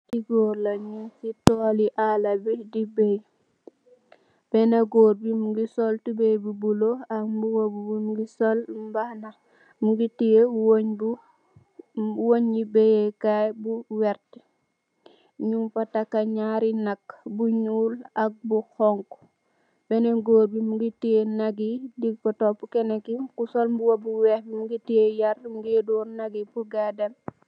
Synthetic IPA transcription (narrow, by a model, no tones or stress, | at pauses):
tiɡoɾlɐɲusitɔːliʔalɐbidibɛj | bɛnɐɡɔːrbimuɡisɔltubejbubuloɐkmbuwobubumuɡisolbanɐ | muɡitijewoɲbu | woɲːibejekajbuwɛɾt | ɲumpɐtakːaɲaɾinakːbuɲuːlɐk̚buxɔŋk | bɛneɡoːɾbimuɡitijenaɡidiɡ̚pɔtɔpːukɛnekikusolmbuwobuwɛhbimuɡitijejarmuɡiedɔːnaɡipuɡadɛm